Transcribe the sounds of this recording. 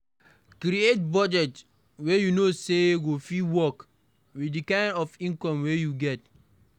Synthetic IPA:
kɾiet̚bɔd͡ʒɛt | wejunoseɡofiwɔk | wiikãɪ̃ndɔfĩŋkɔ̃mwejuɡɛt̚

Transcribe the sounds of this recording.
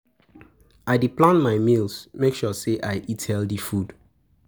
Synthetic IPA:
aɪdiplãnmaɪmilsmekʃɔseʔaɪʔithɛldifud

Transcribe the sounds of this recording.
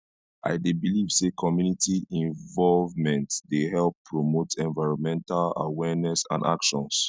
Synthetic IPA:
ʔa̰ɪdebiliv̥sekʰɔmjunitʰiĩɱvɔlvmɛ̃ntdeɦɛlpʰːɹomotʰɛ̃nvaɪɹɔ̃nmɛ̃ntala̰wɛnɛsã̰na̰kʃɔ̃ns

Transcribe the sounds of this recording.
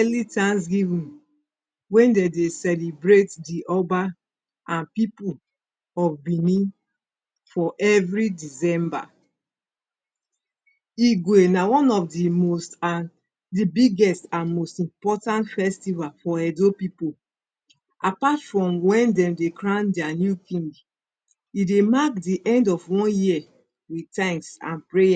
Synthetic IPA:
ɛlitãnsɡivĩn | wɛ̃ndedesɛlibɹetdiʔɔba | ʔãnpipu | ɔfbĩnĩn | fɔʔɛvɹidisɛ̃mba̰ | iɡwenawɔ̃nɔfdimostan | dibiɡɛstãnmostĩmpɔtãntfɛstivalfɔɛdopipo | ʔapatfɹɔ̃mwɛ̃ndɛ̃mdekɹãʊndɛanjukĩŋɡ | idemakdiʔɛ̃ndɔfwɔ̃nji | witãmsã̰npɹeja

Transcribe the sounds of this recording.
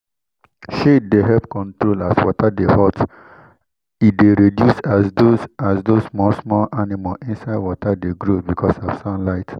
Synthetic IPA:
ʃetdeɦɛpkɔ̃ntɹolaswɔ̰tadehɔt | it̚deɾedjusasdosasdosmɔsmɔlʔanimalĩnsaɪdwɔtadeɡɹobikʰɔsɔfsãnlaɪt

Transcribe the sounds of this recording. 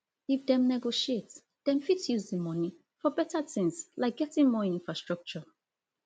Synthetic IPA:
ifdɛ̃mnɛɡoʃiets | d̪̥ɛ̃nfitjuzdəmɔ̃ni | fɔbɛtətĩŋslaɪk̚ɡ̥ɛtĩŋmɔĩnfɹastɹɔk̚t͡ʃɔ

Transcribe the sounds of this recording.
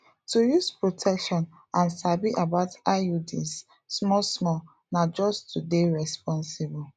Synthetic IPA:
tujuspɹotʰɛkʃɔ̃n | ãnsabiʔabaʊtaudḭsː | mɔsmɔ | nad͡ʒɔstʰudeɹɛspɔ̃nsibɔl

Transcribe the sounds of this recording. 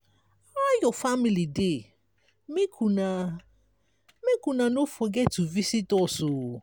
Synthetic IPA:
ajɔfamilidɪ | mẽkʰunã | mekunãnofɔɡɛtʊvisitɔsʊ

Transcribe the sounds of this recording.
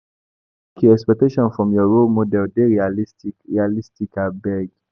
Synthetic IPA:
kʰiɛkspɛk̚teʃɔ̃nfɹɔ̃mjɔɹolmodɛldeɹialistikɹialistikabɛɡ

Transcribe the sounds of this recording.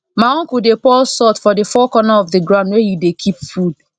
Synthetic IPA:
maɔ̃kudepɔlsɔtfɔdɪfɔkɔnaɔvðɪɡɹãʊ̃ndwejudekʰipfud

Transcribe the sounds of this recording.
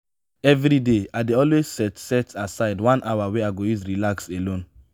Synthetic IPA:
ɛvɾideaɪdeɔlwez̥sɛtsɛtasaɪdwãnʔawaweaɪɡojuzɹilakselõn

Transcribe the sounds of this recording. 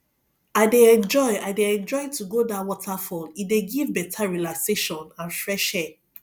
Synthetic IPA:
aɪdeɛ̃nd͡ʒɔɪaɪdeɛ̃nd͡ʒɔɪtuɡodawɔtʰafɔlideɡivbɛtʰaɹilakseʃɔ̃nãnfɹɛʃɛ

